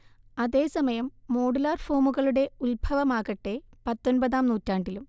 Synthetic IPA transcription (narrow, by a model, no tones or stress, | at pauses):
ɐðe̞ːsɐmɐjɐmːo̞ːɽulaːrfo̞ːmuɣɐɭuɽe̞ulbʱɐʋɐmaːɣɐʈːe̞pɐt̪ːonbɐðaːmnuːtːaːɳɖilum